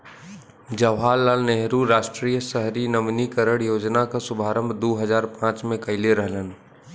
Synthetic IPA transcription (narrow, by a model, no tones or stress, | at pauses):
d͡ʒɐʋɦaːlːaːlneɦɾuɾaːʃʈɾiːjəsəɦɾinəmnikəɾəɽjoːd͡ʒnakasʊbʱaːɾə̃mbʱd̪oːɦəzaːɾpãːt͡ʃmẽkɐɪleɾəɦlən